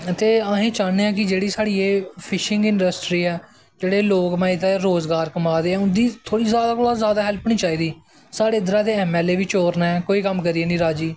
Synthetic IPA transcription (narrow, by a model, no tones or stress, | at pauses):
t̪eːaɦẽːt͡ʃaːneːãːk̬ɪd͡ʒeːɽiːsaːɽiːeːpʰɪʃɪŋɡɪɳɖəsʈɾiːɛː | d͡ʒeːɽeːloːkmãːɪt̪eːɾoːzɡaːɾkəmaːd̪eːɛːʊnd̪iːt̪ʰoːɽiːzjaːd̪aːkoːɽaːzaːd̪aːɦɛlpnĩːt͡ʃaːiːd̪iː | saːɽeːd̪əɾãːd̪eːɛːmɛːleːʋiːt͡ʃoːɾnaːɛːkoːiːkəmkəɾiːeːnĩːɾaːd͡ʒiː